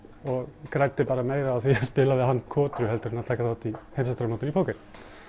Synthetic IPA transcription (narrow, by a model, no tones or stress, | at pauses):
ɔɣkɾaːjt̪ɪpaːɾameːjɾaaθiːaspɪːlavɪðhanːkʰɔːt̪ɾʏhɛlt̪ʏɾɪnaðt̪ʰaːkasθat̪ihejmsast̪ɾamnoːt̪ɪnipʰoːwkɛɾ